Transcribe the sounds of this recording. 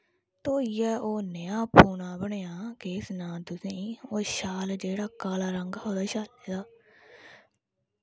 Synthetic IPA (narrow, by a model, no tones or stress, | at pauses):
t̪oːijɛːʔoːnəjãːpʰuːnãːbəɳeːãːkeːsnãːt̪ʊsĩːoːʃaːld͡ʒeːɽaːkaːlaːɾəŋɡaːɦoːd̪aːʃaːleːd̪aː